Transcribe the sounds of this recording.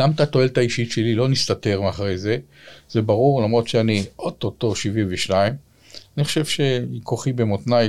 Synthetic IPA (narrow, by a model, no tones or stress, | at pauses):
ɡamat̪at̪o̞e̞lt̪aiʃitʃe̞lilo̞nist̪ate̞ʁmeaχʁejze̞ | z̥ebaʁuʁlamʁo̞t̪ʃeaniʔot̪ot̪o̞ʃivimveʃnaim | aniχo̥ʃe̞vʃe̞ikoχibemot̪naj